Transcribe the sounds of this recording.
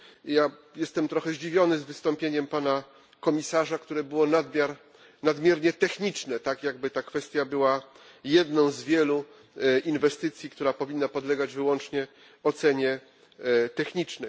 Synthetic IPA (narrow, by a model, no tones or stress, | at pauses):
jajɛst̪ɛmt̪ɾɔxɛʑd͡ʑivʲjɔnɘzvɘst̪ɔ̃mpʲjeɲɛmpana | kɔmʲisaʐakt̪uɾɛbɘwɔnad̪mʲjaɾ | nad̪mʲjɛɾɲɛt̪ɛxɲit͡ʂnɛt̪akjaɡ̚bɘt̪akfɛst̪ʲjabɘwa | jɛd̪nɔ̃w̃zvʲjɛlu | invɛst̪ɘt̪sʲjikt̪uɾapɔvʲinːapɔd̪lɛɡad͡ʑvɘwɔnt͡ʂɲɛ | ɔt̪sɛɲɛ | t̪ɛxɲit͡ʂnɛ